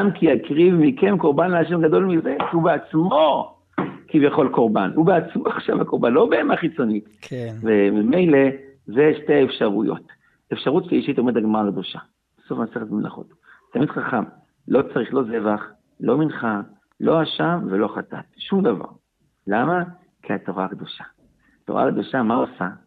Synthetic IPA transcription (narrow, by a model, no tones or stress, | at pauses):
amkiakʁivmikemko̞ʁbanleaʃ̬e̞mɡad̪o̞lmize̞ubeat͡smo̞ | kivjaχo̞lko̞ʁbanubeat͡smoaχʃavakoʁbanlo̞beemaχit͡so̞nitvemime̞jle̞zeʃteefʃaʁujo̞̰t̪ | efʃaʁut̪ʃeiʃit̪ome̞daɡmaʁalak̚d̪oʃa | b̥eso̞fmaseχet̪̚mela̰χo̞̰t | t̪amid̥̪χaχam | lo̞t͡saʁiχlo̞ze̞vaχ | lo̞minχa | lo̞aʃamvelo̞χata̰tʃumd̪ava̰ʁ | lama | kʰiat̪oʁaːkd̪oʃḁ | toʁa̰lk̚d̪oʃamasa